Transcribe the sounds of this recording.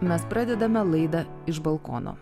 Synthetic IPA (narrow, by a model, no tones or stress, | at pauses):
mʲɛspɾɑːd̪ʲɛd̪ɐmʲɛlˠɐɪd̪ɐ | ɪʃbɐlˠkɔ̰ːno̰ː